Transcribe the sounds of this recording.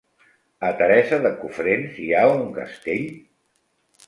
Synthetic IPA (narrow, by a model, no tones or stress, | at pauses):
ət̪əɾɛsəðəkufɾensiauŋkə̰st̪eʎ